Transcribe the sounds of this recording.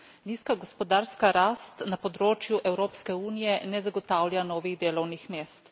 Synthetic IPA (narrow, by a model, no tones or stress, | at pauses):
niːskaɡɔspɔd̪aːɾskaɾaːst̪napɔd̪ɾoːt͡ʃjuʔɛwɾoːpskɛuːnijɛnɛzaɡɔt̪aːwlʲjanɔːʋiɣd̪eːlɔwnixmeːst̪